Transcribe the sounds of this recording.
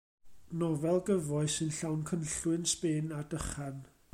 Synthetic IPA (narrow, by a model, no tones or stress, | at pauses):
nɔvɛlˠɡəvɔɨsɨnɬawnkʰənɬwɨnspeːnadəχan